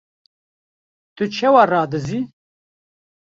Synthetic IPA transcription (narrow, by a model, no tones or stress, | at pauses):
t̪ut͡ʃʰɛwaraːd̪ɨzi